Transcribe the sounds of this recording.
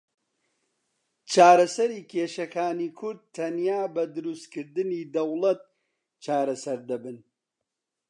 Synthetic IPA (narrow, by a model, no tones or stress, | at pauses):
t͡ʃʰaːɾɐsɐɾiːkʲʰeːʃɐkʰaːniːkʰʊɾd̪̚t̪ʰːɐnjaːbɐd̪ɨɾust̪kɨɾd̪ɨniːd̪ɐwlˠɐt̪̚ | t͡ʃaːɾɐsɐɾd̪ɐbɨn